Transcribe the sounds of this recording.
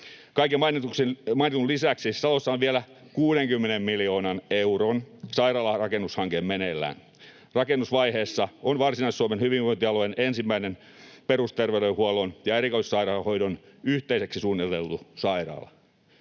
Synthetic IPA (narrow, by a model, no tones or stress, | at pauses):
kɑikemɑinit̪uksemɑinet̪ulisæksisɑlosːɑonʋielæ | kuːɾeŋkymːenemmilioːnɑneuronsɑirɑːlɑrɑkenːushɑŋkemmenelːæ̰ːn | rɑkenːusʋɑiheːsːɑonʋɑrsinɑissuɑmenhyʋiʋʋoint̪iɑlojenensimːæinen | perust̪erʋeɾehuɑlonjɑeɾikoissɑirɑːlɑho̞jdonyht̪eiseksisuːnːit̪elt̪usɑirɑ̰ːlɑ̰